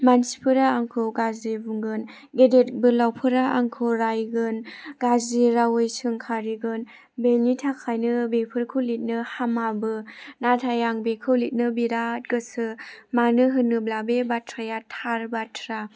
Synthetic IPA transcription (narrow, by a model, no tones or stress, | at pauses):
mansi̥pʰɯɾaːŋkʰɯɡazibuŋɡɯn | ɡedet̚bɯlawpʰɯɾaʔaŋkʰɯɾajɡɯnɡaziɾawɯjsɯŋkʰaɾiɡɯn | belnitʰakʰajnɯbepʰɯɾkʰɯlit̚nɯhamabɯnatʰajaŋbekʰɯwlit̚nɯbiɾat̚ɡɯsɯmanɯɦɯnɯblabebatʰɾajatʰaɾbatʰɾa